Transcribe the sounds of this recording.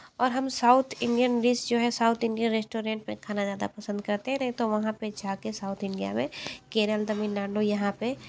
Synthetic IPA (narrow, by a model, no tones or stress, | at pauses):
ɔːɾɦɐmsaʊt̪ʰɪ̃ɳɖijənɾisd͡ʒoːɦɛsaːʊt̪ʰɪ̃ɳɖijənɾeːsʈoːɾẽːɳʈ̚mẽkʰaːnazjaːd̪a̰pɐsə̃nd̪̚kɐɾt̪eɦɛ̃nɐɦĩt̪oʋɐɦãped͡ʒaːkesaːʊt̪ʰɪ̃ɳɖija̰mẽkeːɾəld̪ɐmɪnlãːɳɖojɐɦãpe